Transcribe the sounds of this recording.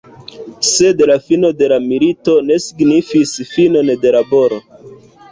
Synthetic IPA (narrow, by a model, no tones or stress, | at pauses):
se̞dlafino̞de̞lamilito̞ne̞siɡnifisfino̞nde̞labo̞ɾo̞